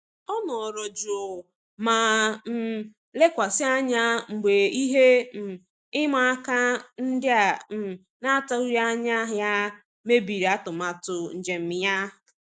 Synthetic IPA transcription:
ɔ˦nɔ˨ɾɔ˨d͡ʒo˨ | ma˨m̩˨˦˨ | le˦kʷa˨sɪ˦a˦ɲa˦ŋ͡m̩˨ɡ͡be˨i˦ɦe˦m̩˨ | ɪ˦ma˦a˦ka˦n̩˦dɪ˦a˨m̩˨ | na˦ta˦u˦ɾja˦ɲa˦ɦja˦ | me˦bi˨ɾi˨a˦tʊ˨ma˨tʊ˨n̩˨d͡ʒe˨m̩˨mɪ˨ja˦˨

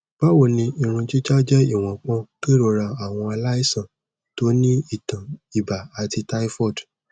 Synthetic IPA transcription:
b̥a˦wo˦˨nĩ˧i˨ɾ̃ũ˧t͡ʃi˦d͡ʒa˦d͡ʒɛ˦i˦˨w̃ɔ̃˨k͡pɔ̃˧˦ki˦ɾo˧˨ɾa˧a˦˨w̃ɔ̃˧a˧la˦i˦˨sã˦˨ | to˨˦nĩ˦i˦˨tã˨i˨ba˨a˨ti˧ta˦i˦fɔ˦˨d

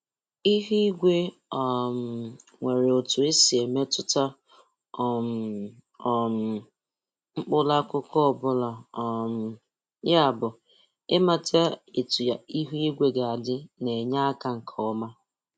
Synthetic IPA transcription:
i˦ɦi˦i˦ɡʷe˦ | ɔ˨m˨ | ŋʷe˨ɾe˨o˨tʊ˨e˦si˨e˨me˦tʊ˦ta˦ | ɔ˨m˨ | ɔ˨m̩˨ | ŋ͡m̩˦k͡pʊ˦la˦kʊ˦kɔ˦˨bʊ˦la˨ɔ˨m̩˨ | ja˦˨bʊ˨ | ɪ˦ma˨tʰa˦e˨tu˨ja˨i˦ɦu˦i˦ɡʷe˦ɡa˨a˨dɪ˦ne˨ɲa˦a˦ka˨ŋ̩˨kʰɔ˦ma˦

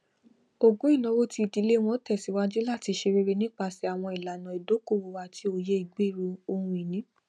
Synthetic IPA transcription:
o˦˨ɡũ˨˦i˦˨nã˨˦wo˦ti˧˨di˨˧˦le˦w̃ɔ̃˦tɛ˦˨si˨˦wa˦d͡ʒi˦la˦˨ti˧ʃe˧ɾe˦˧ɾe˧nĩ˦k͡pa˧si˧˦a˨w̃ɔ̃˧i˨la˨nã˨i˨do˨˦ko˦˨wo˧wa˧˨tʰi˧˦o˧˨je˦i˦˨ɡ͡be˦˨ɾo˧o˧hũ˧i˨nĩ˨˦

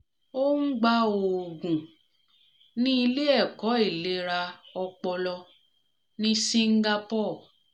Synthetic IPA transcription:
o˦ŋ̩˦ɡ͡ba˦o˨ɡũ˨ | nĩ˦i˧le˦ɛ˦˨kɔ˨˦e˦˨le˦ɾa˧ɔ˧k͡pɔ˧lɔ˧ | nĩ˦si˦ŋ̩˦ɡa˧pɔ˦˨

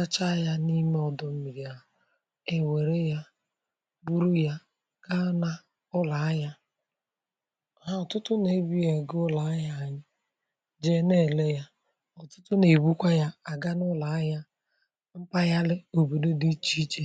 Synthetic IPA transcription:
a˦t͡ʃa˦ja˦ni˦me˦ɔ˨dɔ˨m̩˦mi˨ɾja˨ | e˨we˨ɾe˦ja˦ | bu˦ɾu˦ja˦ | ɡ̥a˦na˦ | ʊ˦la˨˦ja˦ | ɦa˦ɔ˨tʊ˦tʊ˦ne˨˦bi˦je˨ɡʊ˦la˨˦ja˦a˨ɲɪ˦ | d͡ʒe˦ne˦˨le˦ja˦ | ɔ˨tʊ̥˦tʊ˦ne˨bu˦kʷa˦ja˦a˨ɡa˦nʊ˦la˨a˦ja˦ | m̩˦pa˦ja˦lɪ˦o˨bo˨do˦di˦t͡ʃi˦t͡ʃe˦

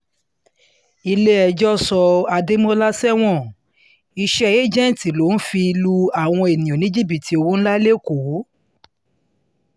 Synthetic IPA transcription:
i˧le˦ɛ˧d͡ʒɔ˦sɔ˧a˧de˦mõ˦la˦sɛ˦w̃ɔ̃˦˨ | i˧ʃɛ˦e˦d͡ʒɛ̃˦˨ti˨lo˨˦n̩˦fi˧lu˦a˦˨w̃ɔ̃˧e˨nĩ˨o˨nĩ˦d͡ʒi˦˨bi˨tʰi˨˦o˧wo˦ñ̩˦la˦le˦ko˨˦

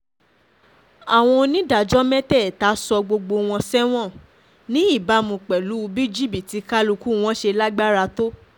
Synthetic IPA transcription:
a˨w̃ɔ̃˧nĩ˦da˨d͡ʒɔ˦mɛ̃˦tɛ˦˨ta˨˦sɔ˧ɡ͡bo˧ɡ͡bo˧w̃ɔ̃˧sɛ˦w̃ɔ̃˦˨ | nĩ˦i˦˨ba˨˦mũ˧k͡pɛ˨lu˨˦u˧bi˦d͡ʒi˦˨bi˨ti˨˧˦ka˦lu˧ku˦w̃ɔ̃˦ʃe˧la˦ɡ͡ba˦ɾa˧to˦

